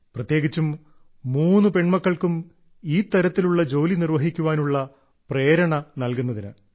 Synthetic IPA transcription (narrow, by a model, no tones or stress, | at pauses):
prɐt̪je̞ːɡit͡ɕːumː | uːnːupe̞ɳmɐkːɐɭkum | iːt̪ːɐɾɐt̪ːiluɭːɐd͡ʑo̞ːlinirʋɐɦikʲːuʋaːnuɭːɐ | pre̞ːɾɐɳɐnɐlkunːɐðinɨ̰